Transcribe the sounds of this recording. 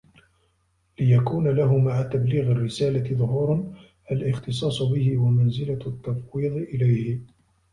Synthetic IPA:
lɪjakuːnalaɦʊmaʕat̪abliːɣarːɪsaːlat̪ɪðˤʊɦuːɾn | ʔalʔɪxt̪ɨsˤɑːsˤbɪhɪwamanzɪlat̪ːɑfwiːðˤʔɪlajhɪ

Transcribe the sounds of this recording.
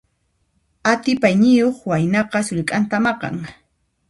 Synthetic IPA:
at̪ɪpajnɪjoχwajnɑqɑsʊʎkʼant̪amɑqɑ̰ŋ

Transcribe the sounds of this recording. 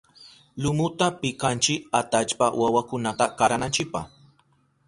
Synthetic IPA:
lʊmʊt̪apɪkant͡ʃɪkat̪at͡ʃpawawakʊnat̪akaɾanant͡ʃɪk̚paχ

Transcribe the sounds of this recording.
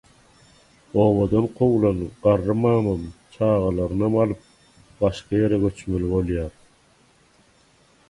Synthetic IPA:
o̞ːβod̪onqʰowlˠɑnɯpɢɑɾːɯmɑːmɯmt͡ʃʰɑːʁɑlˠɑɾɯnɑmɑlˠɯp̚ | bɑʃqɑjeɾɛɡø̞t͡ʃmølibo̞lˠjɑːɾ

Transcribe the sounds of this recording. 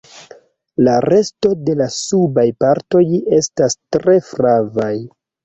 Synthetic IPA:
laɾe̞sto̞de̞lasubajpaɾto̞je̞stastɾe̞fɾavaj

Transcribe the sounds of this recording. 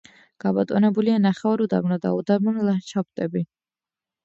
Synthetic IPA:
ɡ̥abɔt̪ʼɔnɛbulianaχɛɔɾud̪abnɔd̪a̰ud̪abmunlat͡ʃʰap̚t̪ʼɛbi

